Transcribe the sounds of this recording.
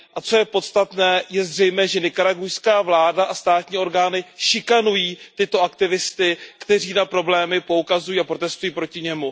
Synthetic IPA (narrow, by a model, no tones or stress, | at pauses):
ʔat͡so̞jɛpo̞t̪st̪at̪nɛːjɛzr̝ɛjmɛːʒɛnɪkaɾaɡujskaːvlaːdaʔast̪aːt̪ɲiːo̞ɾɡaːnɪʃɪkanujiːt̪ɪt̪o̞ʔakt̪ɪvɪst̪ɪkt̪ɛr̝iːnapɾo̞blɛːmɪpo̞ukazujiːapɾo̞t̪ɛst̪ujiːpɾo̞cɪɲɛmu